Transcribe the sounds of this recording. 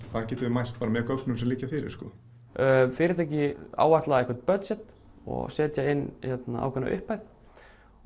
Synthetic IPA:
θaðcɛːt̪ʏvɪmajst̪̚paːɾamɛɾkœknʏmsɛmliːcafɪɾɪ̰ɾ̥skɔ | fɪɾɪɾ̥θʰɛhcɪa̰ːwvat̪laðaɛkvɛɾ̥t̪̚pœt̪sɛt̪ | ɔ̰ɣsɛːt̪jaɪnːçɛt̪naa̰wkʰvɛna̰ʔʏ̰hpajθ

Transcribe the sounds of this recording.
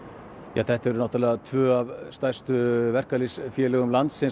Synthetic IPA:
jaːθɛht̪aɾʏnawt̪alɛɣat̪ʰvœːavst̪ajst̪ʏvɛr̥kalɪsfjɛːlɛɣʏmlant̪sɛn

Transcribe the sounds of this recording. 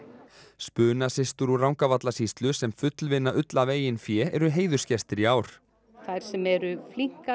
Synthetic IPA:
spʏːnasɪst̪ʏɾurawŋkavat̪lasiːst̪lʏsɛmfʏt̪lvɪnːaʔʏt̪laveːjɪnfjɛːɛ̰ɾʏɦeːjðʏɾ̥scɛst̪ɪɾiaːwɾ̥ | θaɾ̥sɛmɛɾʏfliŋ̥ka

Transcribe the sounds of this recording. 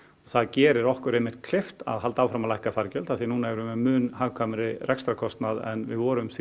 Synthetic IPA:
ɔθaðcɛːɾɪɾɔhkʏɾejmɪ̥t̪̚kʰl̥ɪft̪a̰ðɦalt̪awfɾamalajhkafaɾcœlθaθinuːnaɛɾʏmɛmʏːnhaːvkʰamɾɪrɛkst̪ɾakʰɔst̪naðɛ̰nvɪðvɔːɾʏmθ

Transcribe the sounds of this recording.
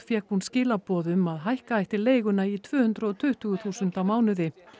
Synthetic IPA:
fjɛkhunscɪːlapɔːðʏmaðɦajhkaajht̪ɪɾleːjɣʏnait̪ʰvʏːhʏnt̪ɾaɔt̪ʰʏht̪ʏːɣʏθuːsʏnt̪awmaːwnʏðɪ

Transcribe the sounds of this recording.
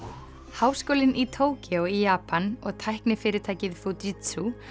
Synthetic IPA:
haːwskoːwlɪnʔit̪ʰoːwcɪoijaːpanɔɣt̪ʰajhknɪfɪːɾɪt̪ʰaːjcɪðfut̪it̪su

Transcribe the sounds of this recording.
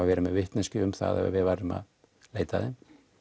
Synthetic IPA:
avɛːɾɪmɛðvɪht̪nɪscʏʏmθa̰ðɛ̰va̰vɪðvaɾɪma̰ð | leːjt̪aðɪm

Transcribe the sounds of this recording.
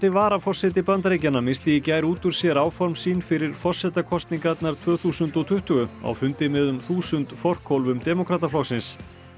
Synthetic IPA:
t̪ɪvaːɾafɔr̥sɛt̪̬ɪpant̪ɾeːjcanːamɪst̪ɪjɪcaːjɾuːt̪ʏɾ̥sjɛɾaːwfɔɾmsiːnfɪɾɪɾ̥fɔr̥sːɛt̪akʰɔst̪niŋkat̪naɾ̥t̪ʰvœːθuːsʏnt̪ɔt̪ʰʏht̪ʏɣʏa̰wfʏnt̪ɪmɪðʏmθuːsʏnt̪fɔr̥kʰɔlvʏmt̪ɛmɔkʰɾaːt̪aflɔxsɪns

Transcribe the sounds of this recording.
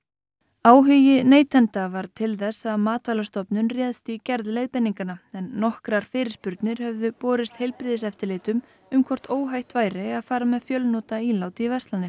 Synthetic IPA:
aːwɦʏjɪneːjt̪ɛnt̪avaɾ̥t̪ʰɪlθɛsːaðmaːt̪vajlast̪ɔpnʏnrjɛːðst̪icɛɾðleːjðpɛnːiŋkanaɛnːɔhkɾaɾ̥fɪːɾɪɾ̥spʏɾt̪nɪɾ̥hɛvðʏpɔːɾɪst̪hejlpɾɪðɪs̬ɛft̪ɪɾleːt̪ʏm | ʏmkʰɔr̥t̪oːwɦajht̪vaːjɾɪaðfaːɾamɛðfjœlnɔːt̪aiːlawt̪ɪivɛr̥st̪lanːɪ

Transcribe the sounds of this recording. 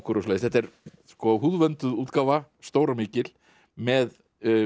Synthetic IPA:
kʏɾʏsleːðɪsθɛt̪ːɛɾ | skɔɦuːðvœnt̪ʏðuːt̪kaːvast̪oːwɾamɪːcɪl̥ | mɛð

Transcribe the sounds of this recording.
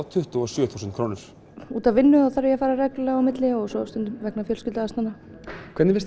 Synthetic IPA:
t̪ʰʏht̪ʏɔsjœːθuːsʏnt̪̚kʰɾoːwnɪɾ̥ | ṵːt̪avɪnːʏaθaɾɪjɛafaːɾaɾɛklɛawmɪt̪lɪɔɣsɔst̪ʏnt̪ʏmvɛknafjœlscɪlt̪aast̪anːa | kʰvɛt̪nɪvɪɾ

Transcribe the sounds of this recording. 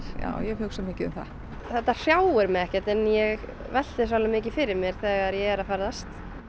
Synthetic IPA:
ja̰ːwjɛɣhʏksamɪːcɪʏ̰mθa̰ | θɛht̪ːar̥jaːwɛɾmɛðɛhcɛt̪ɛnjɛɣ | vɛl̥t̪ɪsvalamɪːcɪfɪɾɪɾmjɛɾ̥θɛːɣaɾjɛɛɾaðfaːɾaðast̪

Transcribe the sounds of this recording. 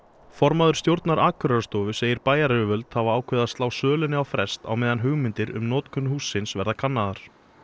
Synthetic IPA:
fɔɾmaðʏɾ̥st̪jowɾt̪naɾʔaːkʰʏɾast̪ɔːvʏseːjɪɾpaːjaɾɛɪvœlt̪havaaːwkʰvɛːðast̪laːwsœːlʏnɪawfɾɛst̪a̰wmɛːðanɦʏɣmɪnt̪ɪɾʏ̰mnɔːt̪kʰʏnːʏhuːsːɪnsvɛɾðakʰanːaðaɾ̥

